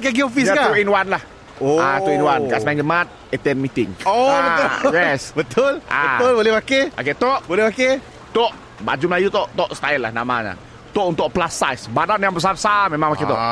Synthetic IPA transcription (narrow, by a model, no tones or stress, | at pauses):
kaɡiofisakat̪uinwanlah | oat̪uinwankaʔsmaŋd͡ʒəmat̪̚ | ɛt̪ɛnmit̪ɪŋoəjɛsbət̪ʊla̰bəʊlbolɛhbakea̰ket̪oʔbolɛhbake | t̪oʔ | ba̰d͡ʒumlajut̪ɔʔt̪ɔʔst̪ailahnamaɲa̰ | t̪ɔʔunt̪ʊʔplasajsbadanjaŋbəs̬apəsamemãŋmaket̪ɔʔ